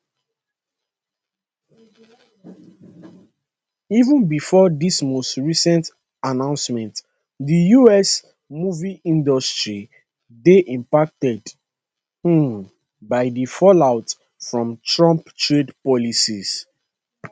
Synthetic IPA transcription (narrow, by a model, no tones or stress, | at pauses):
ivə̃nbifɔdismostɹisɛ̃nt | anãʊ̃nsmɛ̃nt | dijuɛs | muviʔĩndɔstɹi | deʔĩmpak̚tɛd | h̩ | baɪdifɔlaʊt | fɹɔ̃mtɹɔ̃mptɹedpɔlisis